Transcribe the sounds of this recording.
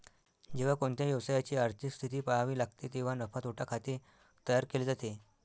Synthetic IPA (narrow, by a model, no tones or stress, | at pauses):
d͡ʑeʋ̤akoɳt̪ʰjajəʋsajat͡ɕiːaɾt̪ʰikst̪ʰit̪iːpaɦaʋiːlaɡ̚t̪et̪eʋ̤anəfat̪oʈʰakʰat̪i | t̪əjaɾkeled͡zat̪e